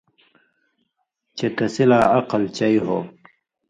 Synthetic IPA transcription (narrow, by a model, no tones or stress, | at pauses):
t͡ɕet̪ɐsilaːɐqɐlt͡ɕɐiɦo̰